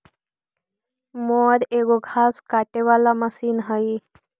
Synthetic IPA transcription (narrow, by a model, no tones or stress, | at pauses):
moɾeɡoɡʱaskaʈeʋalaməsiːnɦəi